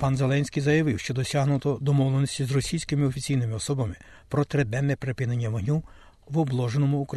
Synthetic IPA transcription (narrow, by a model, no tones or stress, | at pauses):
pɑnzelˠɛnʲsʲkijzɐjɐʋɪwʃt͡ʃɔd̪ɔsʲaɦnʊt̪ɔd̪ɔmɔwlenɔsʲtʲizrɔsʲijsʲkɪmɪɔfʲit͡sʲijnɪmɪɔsɔbɐmɪ | pɾɔt̪ɾed̪ɛnɛpɾepʲɪnenʲːɐʋɦnʲu | ʋɔblˠɔʒenɔmʊːkɾɐ